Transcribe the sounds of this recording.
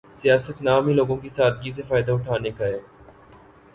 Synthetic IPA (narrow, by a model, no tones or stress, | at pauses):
sijaːsət̪naːmɦiloːɡõkisaːd̪ɡis̬efaːɪd̪aʊʈʰaːnekaɦɛː